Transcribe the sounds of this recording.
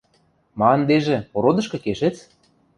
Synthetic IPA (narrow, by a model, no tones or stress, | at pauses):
mɑnd̪eʒĕpoɾod̪ɤ̆ʃkɤ̆keʃet͡s